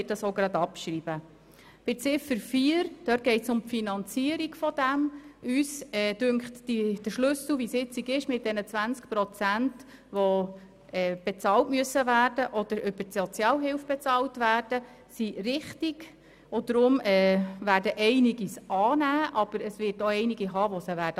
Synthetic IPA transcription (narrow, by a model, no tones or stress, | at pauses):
ɪt̚d̥ɑsoɡɾɑd̪ɑpʃɾib̥ə | b̥ɪt͡sɪfəɾfiəɾd̥œːt̚ɡ̥ɛɪtsʊmfinɑnt͡siəɾiɡ̥fɔd̥æmʔysɛd̥ʉŋkχtːid̥əʃlʉsl̩ʋisɪt͡siɡɪʃmɪt̚d̥ɛnət͡sʋænt͡skpɾɔt͡sænt | ʋɔ | ɛb̥ɛt͡sɑːltmyəsəʋæːrdəʔɔd̥̪əɾʏb̥əsɔt͡sjɑːlɦɪwfb̥ɛt͡sɑːltʋæːrd̥ə | siɾɪχtiɡ | od̪̥ɾʊmɛːʋæːɾdəʔɛɪniɡisɑːnæːʔɑb̥əɾəsʋɪːtoɛɪniɡiɦɑːʋɔsəʋæːdə